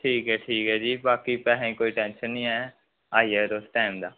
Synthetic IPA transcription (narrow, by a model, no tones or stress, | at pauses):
ʈʰiːkɦɛːʈʰiːkɦɛːd͡ʒiːbaːkipɛːɦĩkoːiːʈɛ̃ːnʃənɦĩːɛː | aːieːɾoːsʈaːɪmd̪aː